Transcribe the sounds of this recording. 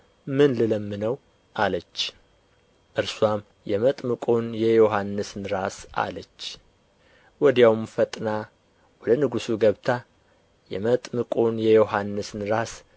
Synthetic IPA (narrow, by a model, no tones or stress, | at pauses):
mɨnlɨləmːɨnəw | ʔalət͡ʃː | ʔɨɾswam | jɛmət̪ʼmɨkʼonjɛjoɦanːɨsnɨɾasa̰lət͡ʃː | wɔd̪jawmfət̪ʼna | wɔd̪ənɨɡusuɡəβt̪ʰa | jɛ̰mət̪ʼmɨkʼonjɛjoɦanːɨsnɾas